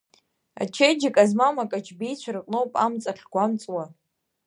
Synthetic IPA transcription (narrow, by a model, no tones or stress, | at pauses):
a̰t͡ʃʰejd͡ʒɪkʼazmamakʼat͡ʃʰbijt͡ɕʷʰarqʼnowpʼa̰mt͡sʼaχɡʷamt͡sʼwa